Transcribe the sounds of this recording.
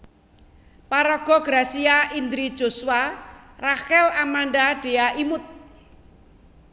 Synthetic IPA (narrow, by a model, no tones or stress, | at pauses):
paɾɔɡ̥ɔ̤ɡ̥ɾasiaʔind̪ɾid̥ʒ̥osuwarakɛlamandaɖ̥e̤aʔimʊt̪̚